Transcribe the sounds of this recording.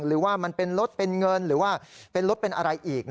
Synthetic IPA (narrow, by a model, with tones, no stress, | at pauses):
ŋɾɯː˩˦waː˥˩ma˧npe˧nɾo˦˥t̪̚pe˧nŋɤ˧nɾɯː˩˦waː˥˩pe˧nɾo˦˥t̪̚pe˧nʔa̰˧ɾa˧jʔiː˨˩k̚n